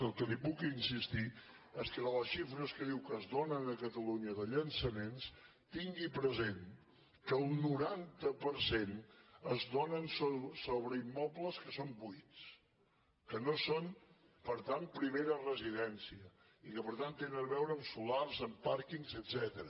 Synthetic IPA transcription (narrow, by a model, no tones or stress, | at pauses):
əlˠkəlipukinsist̪i | eskəðələsʃifɾəskəðiwkəzðonənəkət̪əluɲəðəʎənsəmens | t̪iŋɡipɾəzen | kəlˠnuɾant̪əpəɾsenəzðonənsosoβɾəimːɔpləskəsombujt͡s | kənoson | pəɾt̪anpɾimeɾərəziðɛnsiə | ikəpəɾt̪ant̪ːenənəβɛwɾəːmsularzəmpaɾkiŋzəd̪z̥ɛt̪əɾə